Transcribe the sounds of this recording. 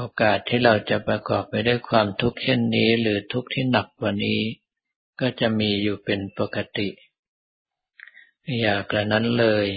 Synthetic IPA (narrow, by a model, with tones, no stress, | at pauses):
ʔoː˧kaː˨˩t̪ʰːiː˥˩ɾa˧wt͡ɕa˨˩pɾa˧kɔː˨˩p̚ma˥˩jda˥˩jkʰwaː˧mt̪ʰu˦˥k̚t͡ɕʰe˥˩nːiː˦˥ɾɯː˩˦t̪ʰu˦˥k̚t̪ʰiː˥˩na˨˩k̚kwa˨˩niː˦˥ | kɔː˥˩t͡ɕa˨˩ʔmiː˧juː˨˩pe˧npo˨˩ka˧t̪i˨˩ʔ | jaː˨˩k̚ɾa˧˩na˦˥nlɤː˧j